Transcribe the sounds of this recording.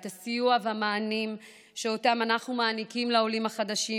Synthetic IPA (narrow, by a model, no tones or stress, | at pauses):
t̪asijuavamaːnim | ʃeo̞tamanaχnumaːnikimleo̞limaχad̪aʃi